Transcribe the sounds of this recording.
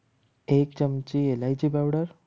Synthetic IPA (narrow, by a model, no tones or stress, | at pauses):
ek̚t͡ɕəmt͡ɕielajd͡ʑiːbawɽəɾ